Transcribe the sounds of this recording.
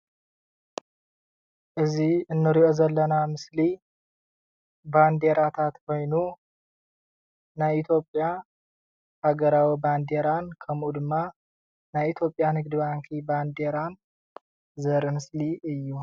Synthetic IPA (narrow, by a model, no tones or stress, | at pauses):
ʔɨziɨnːɨɾiʔo̞zɐlːɐnamɨsli | band̪e̞ɾat̪ʰat̪kʰo̞jnu | najit̪ʰjo̞pʼja | haɡɐɾawiband̪e̞ɾankʰɐmʔud̪ɨmːa | najit̪ʰjo̞pʼjanɨɡd̪ɨβaŋkʰiband̪e̞ɾan | zɐɾɨmɨsliɨjːu